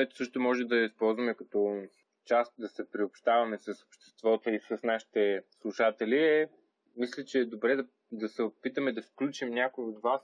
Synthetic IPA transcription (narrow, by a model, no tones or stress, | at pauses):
ɛt̪o̥sɤʃt̪ʊmɔʒɛmd̪ɐispɔlˠzvɐmɛkɐt̪ɔ | t͡ʃast̪d̪ɐsɛpɾiopʃt̪avɐmɛsɐsopʃt̪ɛ̥st̪vɔt̪oisəsnaʃi̥t̪ɛslˠuʃat̪ɛlʲiɛ | mislʲɛt͡ʃɛːd̪obɾɛd̪ɐ | d̪ɐsɛopit̪əmɛd̪ɐfklʲut͡ʃimnʲakʊjod̪vas